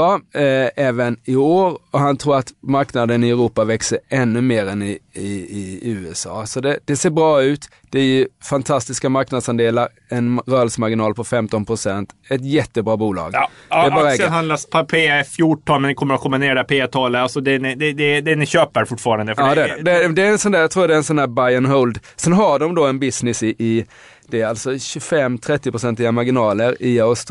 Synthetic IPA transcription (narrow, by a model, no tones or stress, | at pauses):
ɑːɛːvənɪoːɾɔɦant̪ʰɾuːɾat̪maɾknad̪ənɪɛɾuːpavɛksəɾɛnːɵmeːɾɛnɪɪːʉ̟ːɛsɑ̰ːsɔd̪ɛd̪̥ɛseːɾbɾɑːʉ̟ːt̪ | d̪̥ɛæɾjɵfant̪ʰast̪ɪskamaɾknad̪sand̪eːlaɾ | ɛnɾœːlsmaɾɡɪnɑːlpʰɔfɛmt̪ɔnpʰɾʊsɛnt̪ɛt̪̬jɛt̪ːəbɾɑːbuːlɑ̰ːɡd̪ɛːbɑːɾaɛːɡ̪ɦand̪laspʰapʰeːfjʊʈʰːɔnmɛnɛkʰɔmːəɾat̪kʰɔmːaneːɖɛpʰeːat̪ʰɑːləasɔd̪ɛnɪd̪ɛd̪ɛd̪ɛnɪɕøːpəɾfʊʈːfɑːɾand̪əfɑːd̪ɛæɖɛd̪ɛd̪ɛæɾɛnsɔnd̪æjat̪ʰɾuːjad̪ɛɛnsɔnæːɾbajənɦɔld̪sɛnɦaɖɔmd̪ɔɛnbɪsnɪsɪʔɪ | d̪̥ɛːɾalt̪sɔɕɵfɛmːt̪ʰɾɛt̪ːɪpʰɾʊsɛnt̪lɪːamaɾɡɪnɑːləɾɪaʊst̪